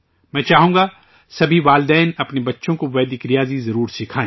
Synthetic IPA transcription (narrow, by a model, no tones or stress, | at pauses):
mɛ̃ːt͡ʃaːɦũːɡa | sɐbʱiʋaːld̪ɛːnɐpnebɐtːʃõkoʋɛːd̪ɪkɾijaːzizɐɾuːɾsɪkʰaːẽː